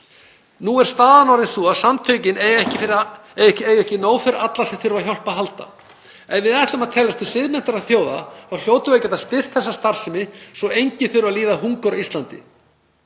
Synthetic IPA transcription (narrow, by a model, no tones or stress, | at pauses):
nuɛɾ̥st̪aːðanɔwɾɪnθuaðsamt̪ʰœɥcɪnejɛhcɪfɪɾ | ejʏɛhcɪnoːwfɪɾɪɾat̪lasɛmθʏɾvaçɔl̥paɦalt̪a̰ | ɛnvɪðaɛht̪ɔmaðt̪ʰɛːlast̪ʰɪlsɪðmɛn̥t̪aɾaðθjoːwða̰θawl̥joːwt̪ʏvejcɛt̪ast̪ɪr̥t̪θɛsːast̪aɾ̥sɪmɪsɔejɲcɪθʏɾvaliːðaɦuŋkʏɾaist̪lant̪ɪ